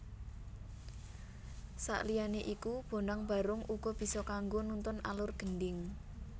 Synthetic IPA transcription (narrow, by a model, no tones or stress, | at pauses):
sa̰ʔlijaneʔikub̥o̤naŋb̥a̤ɾʊŋuɡ̥ɔ̤b̥i̤sɔkaŋɡonunt̪ʊna̰lʊrɡ̥ənɖɪŋ